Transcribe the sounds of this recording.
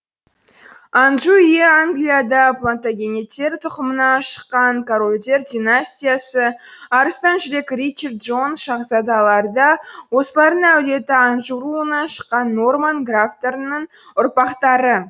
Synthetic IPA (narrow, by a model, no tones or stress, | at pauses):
anʒuijeaŋɡlʲijad̪ɑplˠont̪aɡʲe̞net̪ːe̞ɾt̪ʰʊqəmənɑʃə̥qːɑŋkʰoɾolʲd̪ʲe̞ɾd̪ʲinasʲtʲijasə | ɑɾəst̪ɑnʒʏɾe̞krijt͡ʃːert̪ʒo̞nʃɑʁzɑd̪ɑlˠɑɾd̪ɑwo̞səlˠɑɾd̪əŋæwle̞t̪ɪanʒuɾuənɑʃə̥qːɑnːo̞rmanɡraft̪e̞ɾənəɴ | ʊɾpɑqt̪ɑɾə